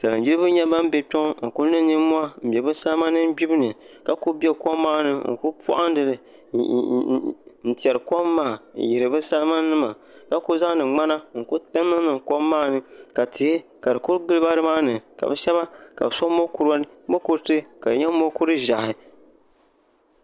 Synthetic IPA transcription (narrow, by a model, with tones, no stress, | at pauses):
sa˨ɨ˨d͡ʒi˦ɾɨ˦bɨ˦ɲɛ˦ba˦m˦bɛ˨tɔ˦ŋ˦ŋ̩˨ku˦nɨ˦ni˦mu˦a˦m̩˨bʲɛ˨bɨ˦sa˦lɨ˦ma˦nɨ˦m˦ɡ͡bi˦bɨ˦nɨ˨ | ka˨ku˦bʲɛ˦ko˦mːaː˦nɨ˦ŋ̩̰˨ku˦pṵ˦ʔa˦n˦dɨ˨lɨ˨ | n̩˦ti˨ɛ˨ɾɨ˨ko˦mːaː˦˨ji˨ɾɨ˨bɨ˦sa˦lma˦nɨ˦ma˨ | ka˨ku˦za˦ŋ˦dɨ˨ŋ͡ma˦na˦ŋ̩˨ku˦tɨ˦nːɨ˦nɨ˨ŋko˦mːaː˦nɨ˦ka˨tɨ˨hɪ˦ | ka˨dɨ˨ku˦ɾɡɨ˦lɨ˦ba˦ɾɨ˦maː˦nɨ˨ka̰˨bɛ˦ʃɛ˦βa˦ka̰˨bsɔ˦mo˦ku˨ɾa˦bo˦ku˦ɾtɨ˦ka˨ɲɛ˦mo˦ku˦ɾɨ˦ʒa˨hɪ˨